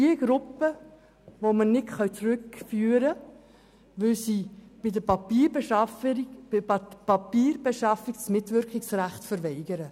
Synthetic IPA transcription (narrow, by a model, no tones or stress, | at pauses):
d̥iəɡ̥ɾʊpːə | ʋomənɪtχœwt͡sɾʏkfyːɾə | ʋʏlsiːb̥ɪdəpɑpiːɾbʃɑ | pɑpiːɾbeʃɑfɪɡsmɪtʋʏɾkχɪksræχtfəɾʋɛɪɡəɾə